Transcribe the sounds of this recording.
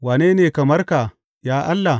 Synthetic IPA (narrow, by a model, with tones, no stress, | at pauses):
waː˨neː˦neː˨kɐ˨mɐ˦rka˨ | jaː˦ʔa˦lːa˨